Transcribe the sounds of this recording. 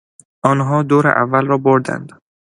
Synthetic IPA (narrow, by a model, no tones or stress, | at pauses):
ʔɒːnɦɒːd̪oːɾḛʔævːælrɒːboɾd̪æ̰nd̪